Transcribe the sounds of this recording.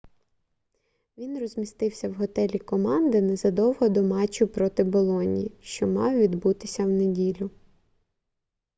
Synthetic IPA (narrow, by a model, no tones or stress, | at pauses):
ʋʲinrɔzʲmʲist̪ɪwsʲɐwɦɔt̪ɛlʲikɔmɑnd̪ɪnɛzɐd̪ɔwɦɔd̪ɔmɑt͡ʃʊpɾɔt̪ɪbɔlˠɔnʲiʃt͡ʃɔmɑwʋʲid̪but̪ɪsʲɐwnedʲilʲʊ